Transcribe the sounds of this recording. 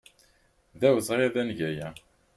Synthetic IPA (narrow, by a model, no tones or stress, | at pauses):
ðæwəzˤʁeðænʝæjæ